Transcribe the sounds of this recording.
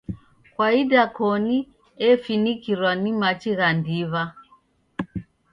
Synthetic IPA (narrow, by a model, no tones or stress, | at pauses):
kwaidakɔni | ɛfinikiɾwanimat͡ʃiɣandiβa